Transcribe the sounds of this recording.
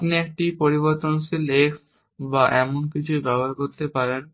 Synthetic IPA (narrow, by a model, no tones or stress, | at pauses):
pniek̚ʈipoɾiboɾt̪onsileks | baʔɛmonkit͡ɕʰubɛbaɾkoɾt̪epaɾen